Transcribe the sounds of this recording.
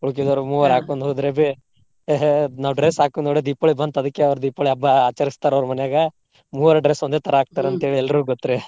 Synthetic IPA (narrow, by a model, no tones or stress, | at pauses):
uɭk̬id̪ɐɾumuːʋɐɾaːkuːnd̪ɦoːd̪ɾebe | eɦenaːʋɖɾesaːkund̪oɽed̪iːpoɭibɐnd̪ɐd̪ukːeɐʋɾud̪iːpoːɭiɐbːɐaːt͡ʃɐɾist̪aːɾɐʋɐɾumɐnjaɡɐ | muːʋɐɾɐɖɾesond̪et̪ʰɐɾɐaːk̚t̪aːɾɐnt̪ɐeːɭiɛlːɐɾuɡot̪ːɾe